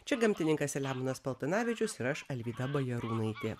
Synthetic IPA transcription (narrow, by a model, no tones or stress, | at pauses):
t͡ʃʲɛɡɐmʲt̪ʲɪnʲɪŋkɐsʲɛlʲæːmʊnɐspɐlˠt̪ɐnɑːʋʲɪt͡ʃʲʊsɪɾɐʃɐlʲʋʲiːd̪ɐbɐjɛɾuːnɐɪt̪ʲeː